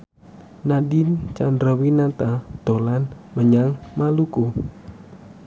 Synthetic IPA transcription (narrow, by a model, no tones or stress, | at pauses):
nadint͡ʃandɾəwinat̪ad̪̥o̤lanməɲaŋmaluku